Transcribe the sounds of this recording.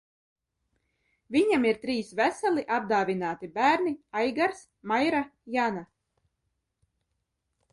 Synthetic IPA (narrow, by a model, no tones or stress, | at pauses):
viɲamiɾt̪ɾiːsvæsalˠiʔab̚d̪aːvinaːt̪ibæːɾniajɡaɾs | majɾajana